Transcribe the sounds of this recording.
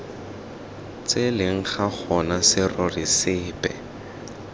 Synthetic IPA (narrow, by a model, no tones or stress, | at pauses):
t͡selɪŋ̩χak͡xʰɔnasɪrɔrɪsɪːpʼɛ